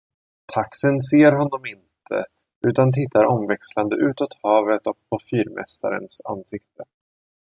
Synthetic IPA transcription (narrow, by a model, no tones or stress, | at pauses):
t̪ʰaksənseːɾɦɔnːɔmɪnt̪ʰə̰ | ʉ̟ːt̪ant̪ʰɪt̪ʰːaɾɔmvɛksland̪əʔʉ̟ːt̪ɔt̪hɑːvət̪ɔk̚pʰɔfyːɾmʔɛ̰st̪a̰ɾə̰nsa̰nːsɪk̚t̪ʰə